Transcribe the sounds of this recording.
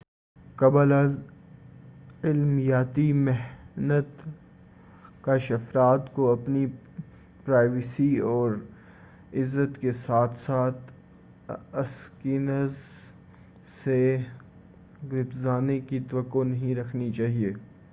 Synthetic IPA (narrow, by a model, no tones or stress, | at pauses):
kɐbəlaz | ɪlmijaːt̪imɛɦnət̪ | kaʃɐfɾaːt̪koɐpni | pɾaːɪʋɪsiɔːɾ | ɪzːət̪kesaːt̪ʰsaːt̪ʰ | ɐskiːnəz | se | ɡɾɪpzaːnekit̪ɐʋəkːonɐɦĩɾɐkʰnit͡ʃaːɦieː